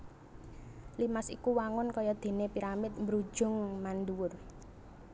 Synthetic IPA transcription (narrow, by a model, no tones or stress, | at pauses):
limasḭkuwaŋʊnkɔjɔd̪̥e̤nepiɾamɪt̪̚mbɾud̥ʒ̥ʊ̤ŋmanduwʊr